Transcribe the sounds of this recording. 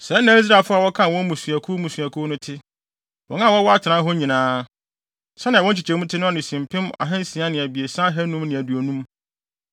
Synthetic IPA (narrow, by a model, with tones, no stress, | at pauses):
sɛ˨˦nãː˨˦i˦s̬ɾa˨fʊ˦a˨wɔ˦kʰã˦˨wɔ̃˦mũ˨su˨æ˨kʰu˦mũ˨sɥæ˨kʰu˦nʊ̃˦tʰɪ˦ | wɔ̰̃˨˦ã˦˨wɔ˦wɔ˦a˦tʰɪ˨nã˦ɦɔ˦ɲĩ˨nãː˦ | sɛ˦nɪ̃˨ɔ̃˦t͡ɕʰi˨t͡ɕʰɛ˨˦mũ˦tʰɪ˦nʊ̃˦ɔ˦nɪ̃˨sĩ˨m˨pʰɪ̃˦ma̰˨ɦɛ̃˦n˦sĩ˨a˦nɪ̃˨æ˨bi˨e˨sã˦ɦæ˦nũ˦mnɪ̃˨æ˨du˨o˨nũ˦m